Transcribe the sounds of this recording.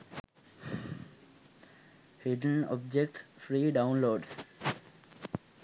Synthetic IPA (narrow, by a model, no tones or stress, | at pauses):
hɪɖənɔ̰bd͡ʒek̚ʈsfɾiːɖãʊ̃nloːɖs